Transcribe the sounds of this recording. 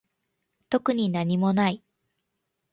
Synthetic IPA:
t̪o̞kɯ̟ɲ̟inaɲ̟imo̞nai

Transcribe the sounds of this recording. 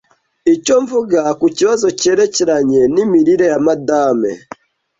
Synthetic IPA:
icoɱvuɡakuciβazoceɾeceɾaɲenimiɾiɾejamadaːmḛ

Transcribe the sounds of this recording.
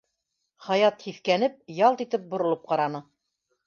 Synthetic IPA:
χɑjɑt̪hiθkænɘp̚jɑlˠt̪it̪ɘp̚bŏɾŏlˠɤp̚qɑɾɑnɤ

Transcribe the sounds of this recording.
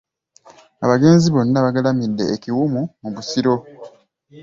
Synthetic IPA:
a̰βaɡe̞ːnziβo̞nːaβaɡalamidːe̞ːkiwumumuβusiɾo̞

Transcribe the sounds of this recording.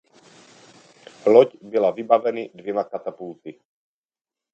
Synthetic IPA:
lɔɟbilaʋibaʋɛnid̪ʋjɛmakat̪apult͡si

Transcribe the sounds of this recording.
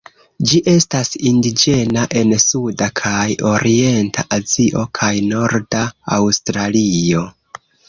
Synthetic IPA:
d͡ʒiʔe̞stasindid͡ʒe̞naʔe̞nsudakʰajo̞ɾʔie̞ntʰaʔaziʔo̞kʰajno̞ɾdaːwstɾalio̞

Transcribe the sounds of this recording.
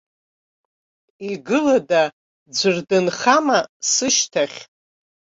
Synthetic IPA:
iɡɨlada | d͡ʒʷɨrdɨnχamasɨʃtʰaχʲ

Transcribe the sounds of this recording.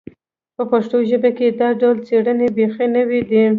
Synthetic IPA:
pəpaʂʈ̪oʒəbaked̪aɖawlt͡seɽənebexenəwid̪i

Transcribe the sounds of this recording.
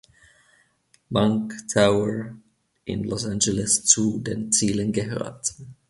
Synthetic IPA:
maŋktʰaʊəɹ | ʔɪ̰nlɔsand͡ʒɛlɪst͡sudeːnt͡siːlənɡəɦø̰ːɐt

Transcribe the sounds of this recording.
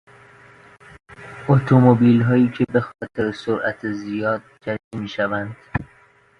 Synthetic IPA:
ʔot̪ʰomobiːlɦɒːjiːcʰe̞be̞xɒːt̪ʰe̞ɾesoɾʔæ̰t̪ʰezijɒːd̪̚d͡ʒæɾimiːʃævænd̪̥

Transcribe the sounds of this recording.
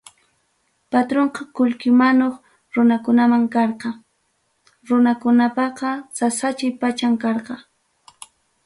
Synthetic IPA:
pat̪ɾoɴqɑkʊlkɪmanoχ | ɾʊnakʊnamaŋkɑɾqɑ | ɾʊnakʊnapɑqɑsasat͡ʃɪjpat͡ʃaŋkɑɾqɑ

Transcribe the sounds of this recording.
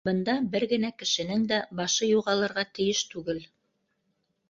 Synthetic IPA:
bɤ̆nd̪ɑbɘɾɡɘ̆nækɘ̆ʃɘ̆nɘŋd̪æbɑʃɤjuʁɑlˠɤ̆ɾʁɑt̪ɘ̆jɘʃt̪ʉɡɘl

